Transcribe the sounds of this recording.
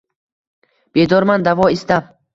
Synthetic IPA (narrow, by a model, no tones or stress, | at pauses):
b̥ed̪ɒɾmand̪avɒist̪a